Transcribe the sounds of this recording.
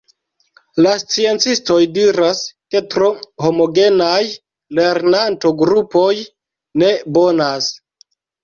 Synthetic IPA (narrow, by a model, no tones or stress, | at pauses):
last͡sie̞nt͡sisto̞jdiɾaske̞tɾoho̞mo̞ɡe̞naj | le̞ɾnanto̞ɡɾupo̞j | ne̞bo̞nas